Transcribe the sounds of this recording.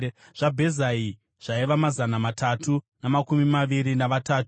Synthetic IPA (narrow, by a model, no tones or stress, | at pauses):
ʐ̥abʱe̞zai | ʐ̥aiʋamazanamatatʰu | namakumimaʋiɾinaʋataːtu̥